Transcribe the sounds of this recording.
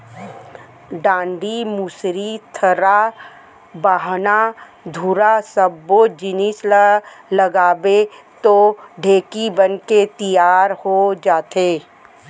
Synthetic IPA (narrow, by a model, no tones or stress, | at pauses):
ɖãːɳɖimusɾit̪ʰɐɾa | baːɦna | d̪ʱuɾasəbːod͡ʒɪnɪs | ləɡaːbet̪oɖʱeːkibənket̪ijaːɾhod͡ʒaːt̪eː